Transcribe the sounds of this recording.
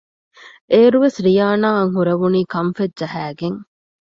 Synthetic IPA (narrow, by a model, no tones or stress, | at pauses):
ʔeːɾuʋesɾijaːnaːɐŋɦuɾɐʋuniːkɐɱfed͡ʒɐɦæːɡeŋ